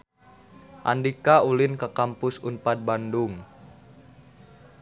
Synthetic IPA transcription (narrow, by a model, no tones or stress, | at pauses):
ʔa̰ndikaulɪnkəkampʊsunpat̪̚bandʊŋ